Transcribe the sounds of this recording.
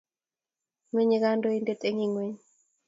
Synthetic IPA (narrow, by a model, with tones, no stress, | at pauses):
me˦ɲi˦ɡa˦ndo˦i˦nde˦tʼe˦ŋi˨ŋwe˦ɲ